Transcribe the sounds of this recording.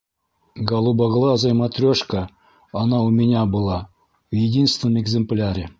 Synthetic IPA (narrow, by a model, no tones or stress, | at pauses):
ɡɑlˠubɑɣlˠɑzɑjmɑt̪rʲoʂkəː | nɑumʲenʲabɨlˠɑ | jedʲinst̪vʲɪnəmeɡzʲemplʲaɾʲɪ